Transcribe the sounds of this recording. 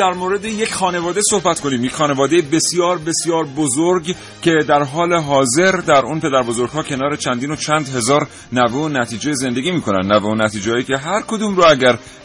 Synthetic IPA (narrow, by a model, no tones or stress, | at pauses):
d̪æɾmoɾe̞d̪eje̞cʲχɒːne̞vɒːd̪e̞so̞hbæt̪kʰo̞niːmjecʲxɒːne̞vɒːd̪e̞jebe̞sjɒːɾbe̞sjɒːɾbozoɾɡ | cʰe̞d̪æɾɦɒːle̞ɦɒːze̞ɾd̪æɾuːnpe̞d̪æɾbozo̞ɾɡ̥hɒːcʰe̞nɒːɾe̞t͡ʃʰænd̪iːnot͡ʃʰænd̪ɦe̞zɒːɾ | næveonæt̪ʰiːd͡ʒejeze̞nd̪e̞ɡiːmiːkʰo̞næ̰nd̪næveunæt̪ʰiːd͡ʒehɒːjicʲʰe̞ɦæɾkʰod̪uːmɾoæɟæɾ